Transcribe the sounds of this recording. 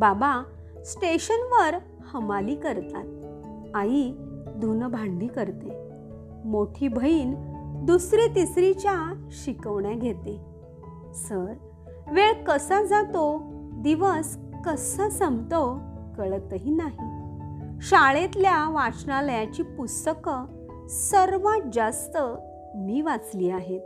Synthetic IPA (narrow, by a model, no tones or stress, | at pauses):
baba | sʈeɕənʋəɾ | həmaliːkəɾt̪at̪̚ | ajid̪ʱunbʱaɳɖikəɾt̪e | moʈʰiːbʱəiːnd̪usɾit̪isɾit͡ɕjaɕikəʋɳjaɡʱet̪e | səɾ | ʋeɭkəsad͡zat̪od̪iʋəskəsəsəmt̪əwkəɭət̪əɦinaɦi | ɕaɭet̪ljaʋat͡snaləjat͡ɕiːpust̪əkə | səɾʋad͡zast̪ə | miːʋat͡sliːaɦet̪